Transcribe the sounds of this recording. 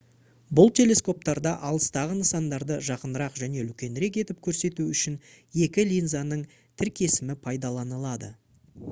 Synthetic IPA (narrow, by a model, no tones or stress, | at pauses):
bʊlˠt̪ʲʰe̞lʲe̞sko̞p̚t̪ɑɾd̪ɑʔɑlˠəst̪ɑʁənəsɑnd̪ɑɾd̪əʒɑqənəɾɑqʒæne̞lkʲe̞nɾe̞k̬e̞t̪ɪp̚kʲʰɵɾse̞t̪uʏʃɪnje̞kʲɪlʲijnzanəɴ | t̪ʰɪɾkʲʰe̞sɪmɪpʰɑjd̪ɑlˠɑnəlˠɑd̪ə